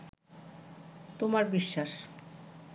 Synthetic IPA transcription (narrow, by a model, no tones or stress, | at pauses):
t̪omaɾbiʃːaʃ